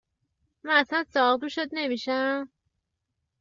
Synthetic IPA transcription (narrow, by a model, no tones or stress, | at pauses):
mænæslænsɒːʁd̪uʃod̪̚ne̞miːʃæm